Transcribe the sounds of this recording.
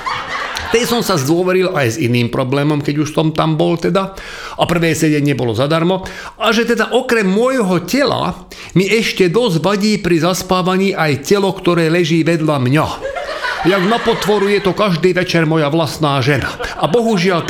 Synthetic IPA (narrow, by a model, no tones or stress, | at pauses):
t̪ɛjsɔmsazd̪ʊɔʋɛɾilajziniːmpɾɔblɛːmɔmkɛɟuʃst̪ɔmt̪ambɔlt̪ɛd̪a | ʔapr̩ʋɛːsɛɟɛɲɪɛbɔlɔzad̪aɾmɔ | aʒɛt̪ɛd̪aʔɔkɾɛmːʊɔjɦɔcɛla̰ | miʔɛʃcɛd̪ɔzʋaɟiːpɾizaspaːʋaɲiːʔajcɛlɔkt̪ɔɾɛːlɛʒiːʋɛd̪ʎamɲa | jaɡnapɔt̪ʋɔɾujɛt̪ɔkaʒd̪iːʋɛt͡ʃɛɾmɔjaʋlasnaːʒɛnaabɔɦuʒɪal